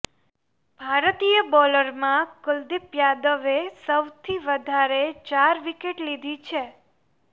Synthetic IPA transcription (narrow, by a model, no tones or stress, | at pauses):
bʱaɾt̪ijəbɔləɾmãkʊld̪ɪpjad̪əʋesəwt̪ʰiʋəd̪ʱaɾet͡ʃaɾʋikeʈlid̪ʱit͡ʃʰe